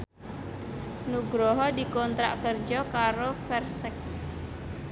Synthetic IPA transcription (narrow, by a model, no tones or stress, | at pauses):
nuɡɾɔɦɔdi̤kɔnt̪ɾa̰ʔkərd͡ʒɔkaɾofɛrsək̚